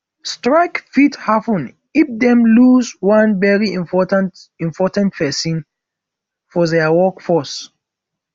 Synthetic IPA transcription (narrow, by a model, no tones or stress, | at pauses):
stɹaɪkfithapə̃n | ifdɛ̃mluzwãnvɛɹiĩmpɔtãntĩmpʰɔtãntpɛsĩn | fɔðɛwɔkfɔs